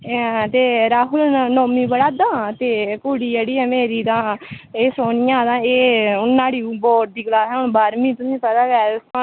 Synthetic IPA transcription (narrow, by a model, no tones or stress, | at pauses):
t̪eːɾaːɦʊlnoːmĩːbəɽaːd̪ãːt̪eːkʊːɽiːd͡ʒeːɽiːɛːmeːɾiːt̪ãːeːsoːɳɪjãːd̪ãːeːʊnːaːɽiːbɔːʈ̚d̪iːɡəlaːsɛːʊɳbaːɾmĩːt̪ʊsĩːpɛd̪aːɡɛːʊst̪ãː